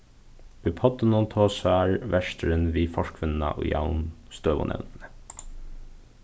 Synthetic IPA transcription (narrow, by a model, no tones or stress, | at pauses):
ʉpʰɔt̪ənɔnt̪ʰoːsæːɹʋɛʃtəɾənʋiːfɔʃkʋʏnnɑ̰ʔo̰jɑ̰ʊnst̪øːbʊ̰nɛ̰nnt̪nə